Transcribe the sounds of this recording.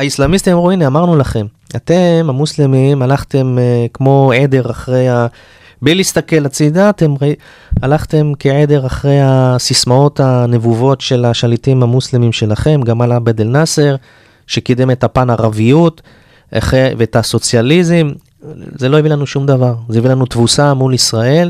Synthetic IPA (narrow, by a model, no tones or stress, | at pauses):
aislamist̪imamʁuineamaʁnulaχe̞m | ate̞mamuslemimalaχte̞mkmo̞ʕe̞d̪e̞ʁaχʁe̞ja | blilist̪ake̞lat͡sid̪aːt̪e̞mʁa | alaχt̪e̞mkeʕe̞d̪e̞ʁaχʁe̞jasismao̞t̪ane̞vuvo̞tʃe̞laʃalitimhamuslemimʃe̞laχe̞mɡamalabed̪elnaseʁ | ʃekid̪eme̞t̪hapanaʁavijut | a̰χeveetaso̞t͡sjalizim | zelo̞ivilanuʃumd̪avaʁzeivilanut̪vusamulisʁae̞l